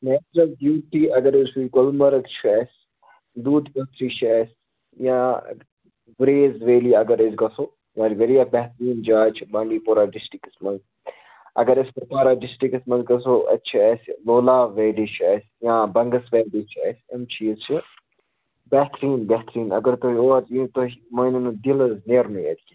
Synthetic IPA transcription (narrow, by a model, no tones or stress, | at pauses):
nɛːt͡ʃɾɐlɖjuːʈiːɐɡɐɾɪsuikolmɐɾɐk̪t͡ʃʰiɛːsʲ | d̪uːd̪kɐt̪ɾiːt͡ʃʰɛːsʲ | jãː | ʋɾeːzʋeːliːɐɡɐɾɐzɡɐsoː | jãːɾʋeɾijabɛɦt̪ɾiːnd͡ʒaːt͡ʃʰibãːɳɖiːpoːɾaːɖɪsʈɾikɐsmɐnz | ɐ̰ɡəɾɪskopaːɾaːɖɪsʈiksmɐ̃nzɡɐsoːɐ̰tːt͡ʃʰiɛsloːlaːʋeːɖit͡ʃʰɛsʲ | jãːbɐŋɡəsʋeːɖit͡ʃʰɛ̰ːsʲɐmt͡ʃʰiːzt͡ʃʰi | bɛɦt̪ɾiːnbeɦt̪ɾiːnɐ̰ɡəɾt̪oɦioːɾzĩːt̪oɦimɐːninud̪iləzneːɾnujḛt̪ʲi